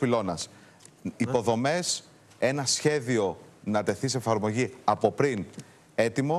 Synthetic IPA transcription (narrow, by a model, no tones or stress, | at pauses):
pilo̞nɐs | ipo̞ðo̞me̞s | e̞nɐsçe̞ðio̞nɐt̪e̞θis̬efɐɾmo̞ʝiɐpo̞pɾin | e̞t̪imo̞